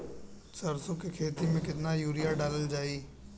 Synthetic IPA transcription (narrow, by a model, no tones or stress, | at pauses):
sɐɾsʊkekʰeːt̪imẽkɪt̪najuːɾijaɖaːləld͡ʒaːiː